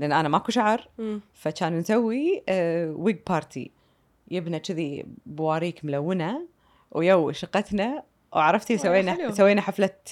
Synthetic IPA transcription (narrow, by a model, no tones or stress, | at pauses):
lʔanːʔanamakuʃaʕɾˤfat͡ʃaːnnsawːi | wiɡ̚pɑːɾˤt̪ʰḭ | jɪbnat͡ʃɪðibʊwaːɾiːkmʊlawːɪna | wjawʃɪqɑt̪na | wʕɾˤɑft̪isawːeːnasawːeːnaħaflat̪